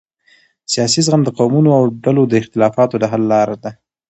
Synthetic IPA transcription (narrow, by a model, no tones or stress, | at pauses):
sijɑsizɣamd̪əqawmunoawɖalod̪əɪxt̪ɪlɑfɑt̪od̪əɦalːɑɾad̪a